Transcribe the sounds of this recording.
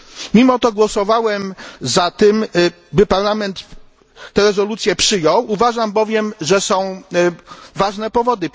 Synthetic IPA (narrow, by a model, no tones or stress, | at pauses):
mʲimɔt̪ɔɡwɔsɔvawɛmzat̪ɘm | bɘpaɾlamɛnt̪ː | ɛɾɛzɔlut̪sʲjɛpʂɘjɔwuvaʐambɔvʲjɛmʐɛsɔ̃w̃ | vaʐnɛpɔvɔd̪ɘ